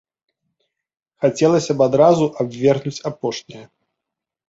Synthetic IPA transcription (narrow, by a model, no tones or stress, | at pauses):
xat͡sʲɛlˠɐsʲɐbad̪ɾazuʔabʲvʲɛrɣnut͡sʲapɔʂnʲijɐ